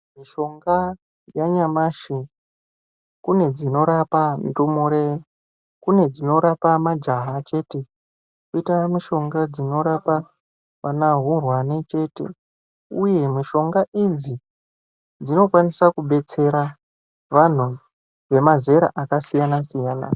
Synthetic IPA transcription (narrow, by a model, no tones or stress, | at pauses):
miʃo̞ŋɡa | jaɲamaːʃi | kune̞d͡zino̞ɾapantumuɾe | kune̞d͡zino̞ɾapamad͡ʒaɦat͡ʃe̞ːte̞ | kuitamiʃo̞ŋɡad͡zino̞ɾapa | ʋanaɦurwanet͡ʃe̞ːte̞̰ | uje̞miʃo̞ŋɡaʔid͡zi | d͡zino̞kwanisakuɓe̞t͡se̞ɾa | ʋan̤u | ʋe̞maze̞ɾa̰ʔakasijanasijaːna̰